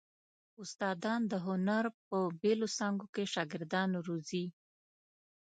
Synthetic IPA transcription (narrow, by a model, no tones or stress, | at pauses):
ʊst̪ɑd̪ɑnd̪əɦʊnaɾp̚əbelosɑŋɡokeʃɑɡɪɾd̪ɑnɾuzi